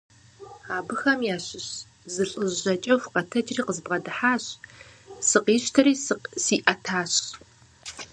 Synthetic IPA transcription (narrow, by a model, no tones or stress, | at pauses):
aːbɨxɐmjaːɕɪɕ | zɨɬʼɨʒɐt͡ʃʼɐwqɐtʰɐd͡ʒriːqəzbʁɐdɨħaːɕ | sɨqiːɕtʰɐɾiːsiːʔɐtʰaːɕ